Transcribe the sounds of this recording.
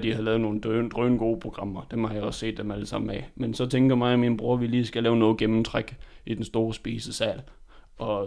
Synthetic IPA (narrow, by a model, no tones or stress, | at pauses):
d̥ihɑ̈lɛːðˠno̝ːn̩d̥nd̥ʁœːnɡ̥o̝ːpʰʁo̝ɡ̥ʁɑ̈m̰ɐd̥emhɑjɑɪɒ̽ssḛːd̥ːemæləsɑ̈m̰n̩æmensɒ̽t͡sʰeŋɡ̥ɐmɑ̈ɪminb̥ʁuɐʋiliːsɡ̥ælɛːʊnɔ̽ːð̩ˠɡ̥emm̩t͡sʰʁaɡ̥id̥ensd̥o̝ːɐsb̥iːsəsæl | ʔɒ̽